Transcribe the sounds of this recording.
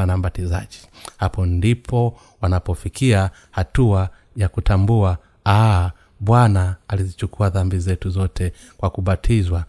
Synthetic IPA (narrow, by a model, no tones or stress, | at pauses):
anambatizaʄi̥hapɔndipʰɔ | wanapɔfikia | hatua | jakutambua | a | ɓwanaːlizit͡ʃukuaðambizɛtuzɔtʰɛ | kwakuɓatʰizwa